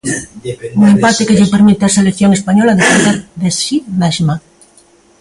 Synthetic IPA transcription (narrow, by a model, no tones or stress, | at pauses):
uŋempat̪ekeʎepeɾmit̪easelekθjoŋespaɲɔlaðepeðeɾðesʃinaʃma